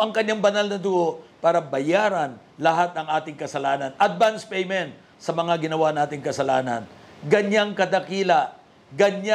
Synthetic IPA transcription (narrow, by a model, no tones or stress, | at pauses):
ʔɐŋkɐɲːaŋbɐnalnɐd̪ʊɡoʔpaːɾɐbɐjaːɾɐn | lɐɦat̪̚ɐŋʔaːt̪ɪŋkɐsɐlaːnɐnʔɐd̪̚banspɛjmɛnt̪̚ | sɐmɐŋaɡɪnɐwanaːt̪ɪŋkɐsɐlaːnɐ̰nɡɐɲːaŋkɐd̪ɐkiːlɐ | ɡɐɲa